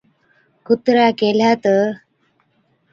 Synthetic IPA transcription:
kut̪ɾakelat̪ə

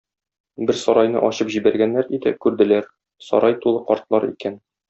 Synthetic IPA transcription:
bɘɾsɒɾɑjnɤ̰ʔɒɕɤpʑibæɾɡænːæɾit̪ækʉɾd̪ɘ̆læɾ | sɒ̰ɾʔɑjt̪ulˠɤqɒɾt̪lˠɑɾḭkæn

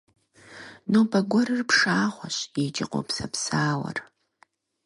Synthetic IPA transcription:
nowbɐɡʷɔɾɨrpʂaːχʷɔɕjed͡ʒɪqʷʼo̰psɐpsaːwɐ̰r

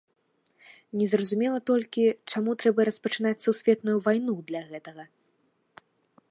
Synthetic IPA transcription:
nʲɛzrɐzumʲɛlˠɐt̪ɔlʲkʲit͡ʂamut̪ɾɛbɐɾɐspɐt͡ʂɨn̪at͡sʲsusʲfʲɛt̪nujuvajnud̪lʲɐɣɛt̪ɐɣɐ

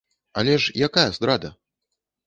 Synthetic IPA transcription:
ɐ̰lʲɛʂjakajɐzd̪ɾad̪ɐ

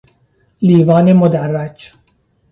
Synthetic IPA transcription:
liːvɒːnemod̪ærːæt͡ʃ

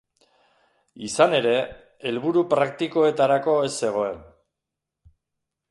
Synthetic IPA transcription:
isane̞ɾe̞ | elβuɾupɾakt̪iko̞e̞t̪aɾako̞e̞se̞ɣ̞o̞e̞n

